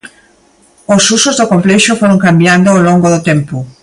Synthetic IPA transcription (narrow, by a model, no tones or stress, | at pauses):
osusozðʊkompleʃofoɾõŋkambjand̪oolõŋɡoðot̪ẽmpʊ